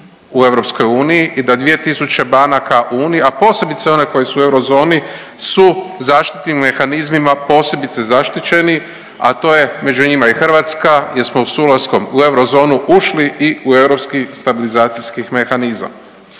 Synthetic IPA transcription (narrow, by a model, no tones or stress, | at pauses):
ue̞ʋɾo̞psko̞juːnijiʔid̪ad̪ʋije̞t̪isut͡ɕe̞banakaʔuuːnijiapo̞ːse̞bit̪seo̞ne̞ko̞jesuːe̞wɾo̞zo̞ːni | suzaːʃt̪i̥t̪nimːe̞xanizmimapo̞ːse̞bit̪se̞zaʃt̪it͡ʃe̞ni | a̰t̪o̞ːje̞me̞d͡ʒuɲimaixr̩ʋat̪skajeɾsmosuːlasko̞mue̞wɾozo̞ːnuʔuʃliʔiue̞wɾo̞pskist̪abilizaːt̪siskixme̞xaniza̰m